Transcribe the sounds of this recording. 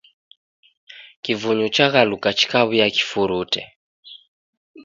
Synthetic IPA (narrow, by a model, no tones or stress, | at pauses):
kivuɲut͡ʃaɣalukat͡ʃi̥kaβujaki̥fuɾutɛ̰